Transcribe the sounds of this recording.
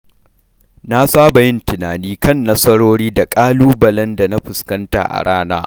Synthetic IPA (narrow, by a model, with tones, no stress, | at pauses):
na˦saː˦ba˨jɪ˦ntɪ˨naː˨niː˦kɐ˦˨nːɐ˦sɐ˦ɽoː˦ɽiː˦da˨kʼaː˦luː˦bɐ˨lɐ˦nda˨na˦ɸʊ˨skɐ˦nta̰˨ʔa̰˨ɽaː˦na̰ː˦ʔ